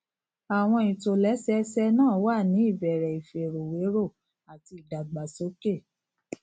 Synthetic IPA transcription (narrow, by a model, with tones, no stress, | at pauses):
a˨w̃ɔ̃˧i˨to˨lɛ˨˦sɛ˦sɛ˧˦nãː˦˨wa˦˨nĩ˨˦i˦˨bɛ˨ɾɛ˨i˨fe˨ɾo˨we˨˦ɾo˦˨ | a˨ti˧i˨da˨ɡ͡ba˨so˨˦ke˦˨